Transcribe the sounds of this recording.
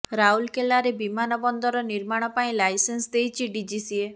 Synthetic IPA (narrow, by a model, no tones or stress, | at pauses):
ɾaɦulkelaɾebimanɔbɔnd̪ɔɾɔniɾmaɽ̃ɔpaĩlajsensd̪ejt͡ʃʰiɖid͡ʒisie